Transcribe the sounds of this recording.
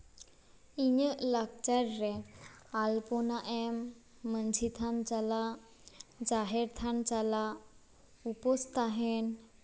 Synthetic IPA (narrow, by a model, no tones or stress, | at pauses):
iɲəlakt͡ɕaɾːealponaʔemː | ənd͡ʑʱit̪ʰant͡ɕala | d͡zaɦeɾt̪ʰant͡ɕala | upɔst̪aɦen